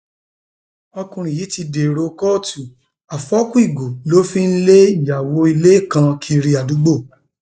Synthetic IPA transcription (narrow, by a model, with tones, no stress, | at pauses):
ɔ˧kũ˧ɾ̃ĩ˨ji˨˦ti˧de˨ɾo˧kɔ˦tu˨ | a˨fɔ˨˦kũ˦i˦˨ɡo˨lo˦fĩ˦˧n̩˦le˦i˦˨ja˨wo˧˦i˧le˦˨kã˧kʰi˦˧ɾi˧a˨du˨˦ɡ͡bo˦˨